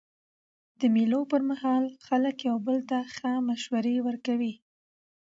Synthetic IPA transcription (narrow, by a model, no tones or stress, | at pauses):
d̪̥əmilopəɾmahɑlxaləkjawbəlt̪axəmaʃwaɾewəɾkawi